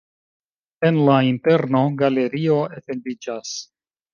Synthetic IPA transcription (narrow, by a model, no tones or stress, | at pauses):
e̞nlainte̞ɾno̞ɡale̞ɾio̞e̞fe̞ndid͡ʒas